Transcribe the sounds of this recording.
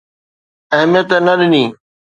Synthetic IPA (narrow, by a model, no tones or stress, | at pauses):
ɐɦmɪjət̪ənɐɾɪniː